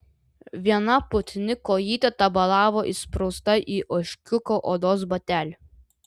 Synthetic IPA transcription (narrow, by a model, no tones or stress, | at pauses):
ʋʲiɛnɐpʊt̪ʲnʲɪkoːjiːt̪ʲɐt̪ɐbɐlˠɑːʋoːʔispɾost̪ɐʔiːʔɔʃʲkʲʊkoʔɔːd̪oːsbɐt̪ʲæːlʲ